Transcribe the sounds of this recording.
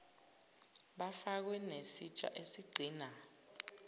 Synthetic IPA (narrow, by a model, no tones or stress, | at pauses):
ɓafak̬wɛnesit͡ʃʼa̰ʔesiɡ͡ǀʱiːna